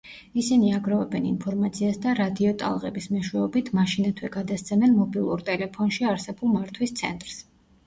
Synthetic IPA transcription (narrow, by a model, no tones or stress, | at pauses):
isiniaɡɾavɛbɛnḭnpʰɔɾmat̪sʰiasd̪aɾad̪iɔt̪ʼa̰lˠʁɛ̰bismɛʃwɛɔbit̪ʰmaʃinat̪ʰwɛɡad̪ast̪sʰɛmɛnmɔbilˠuɾt̪ʼɛlɛpʰɔnʃiaɾsɛbulˠmaɾt̪ʰwist̪sʰɛnt̪ʼɾs